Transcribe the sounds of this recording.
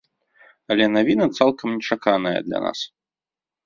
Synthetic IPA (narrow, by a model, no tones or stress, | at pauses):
ɐlʲɛnavʲinɐt̪salˠkɐmnʲɛt͡ʂakanɐjɐ̰d̪lʲɐ̰na̰s